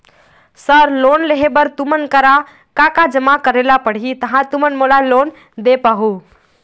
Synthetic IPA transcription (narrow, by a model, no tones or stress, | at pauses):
səɾlonleɦebəɾt̪umənkəɾa | kakad͡ʒəmakəɾelapəɽ̤ɦit̪əɦãt̪umənmolalon | d̪epaɦu